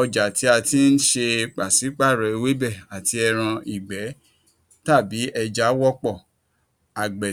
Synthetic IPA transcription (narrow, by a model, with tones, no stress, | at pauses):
ɔ˧d͡ʒa˨ti˧˦a˧ti˦n̩˦ʃe˧k͡pa˨si˨˦k͡pa˦˨ɾɔ˨e˧we˦bɛ˦˨a˨ti˧ɛ˧ɾ̃ã˧i˨ɡ͡bɛ˨˦ | ta˦˨bi˨˦ʔɛ˧d͡ʒa˨˦wɔ˦k͡pɔ˦˨ | a˨ɡ͡bɛ˨